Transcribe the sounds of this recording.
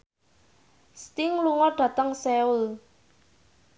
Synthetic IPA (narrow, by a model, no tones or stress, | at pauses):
st̪ɪŋluŋɔɖ̥ä̤t̪əŋsɛʊl